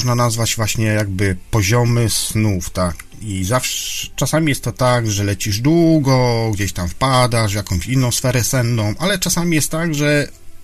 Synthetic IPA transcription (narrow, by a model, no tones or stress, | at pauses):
ʐnanazvad͡ʑvwaɕɲɛjaɡ̚bɘpɔʑɔmɘsnuft̪ak | izafʂt͡ʂasamʲijɛst̪t̪ːɔt̪aɡʐɛlɛt͡ɕiʐd̪wuɡɔɡd͡ʑeɕt̪amfpad̪aʐvjakɔ̃w̃ɕinːɔ̃w̃sfɛɾɛsɛnːɔ̃w̃ʔalɛt͡ʂasamʲijɛst̪t̪ːaɡʐɛ